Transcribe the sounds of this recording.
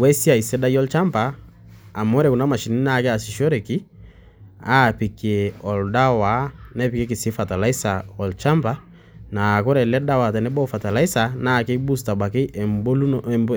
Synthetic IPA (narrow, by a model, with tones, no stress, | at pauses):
wɛ˦si˦a˨i˨sɛ˦da˦jɔ˦lt͡ʃa˦mbaː˨ | mɔ˦ɾɛ˨ku˨na˦ma˨ʃi˨ni˦na˦˨kɛ˦a˨si˨ʃɔ˦ɾɛ˨ki˦ | a˦pi˨kɛ˨ɔ˨lda˦wa˨nɛ˦pi˨kɛ˦k̬i˨si˦fa˨ta˨la˦i˦sa˨ɔ˨lt͡ʃa˦mba˦ | na˨kɔ˦ɾɛ˨lɛ˦da˦wa˨tɛ˨nɛ˦bɔ˦fa˨ta˨la˦i˦sa˨na˦˨ke˦bu˦s̬ta˨ba˨ke˦ʔɛ˨mbo˦lu˦nmb